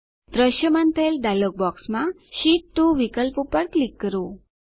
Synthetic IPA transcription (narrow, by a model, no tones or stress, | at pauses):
d̪ɾəɕjəmant̪ʰelɖalək̚bɔksma | ɕiʈt̪ːuʋikəlpupəɽklikːəɾu